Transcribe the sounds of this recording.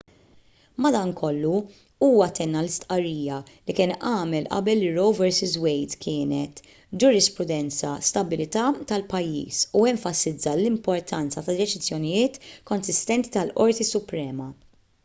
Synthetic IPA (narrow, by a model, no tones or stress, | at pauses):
mɐd̪ɐŋkʰɔlːu | uːwɐt̪ɛnːɐlɪst̪ʔɐrːiːjɐlikɪːnʔɐːmɛlʔɐ̰bɛlːɪɾɔwvɛɾsɪzwɛjt̪kʰɪːnɛt̪ | d͡ʒʊɾɪspɾʊd̪ɛnt͡sɐst̪ɐbɪlɪt̪ɐːt̪ɐlpɐjːḭːsuɛɱfɐsɪd͡zːɐlɪmpɔɾt̪ʰɐnt͡sɐt̪ɐd̪ɛt͡ʃɪzjɔnɪjɪːt̪kɔnsɪst̪ɛnt̪it̪ɐlʔɔɾt̪isʊpɾɛːmɐ